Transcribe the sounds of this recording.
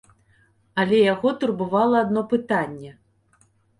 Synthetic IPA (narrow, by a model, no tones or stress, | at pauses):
ɐlʲɛjaɣɔt̪urbɨvalˠɐːd̪nɔpɨt̪anʲːɛ